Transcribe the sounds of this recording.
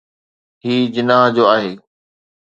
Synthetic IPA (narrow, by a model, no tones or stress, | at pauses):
ɦiːd͡ʑɪnaɦd͡ʑoːaːɦeː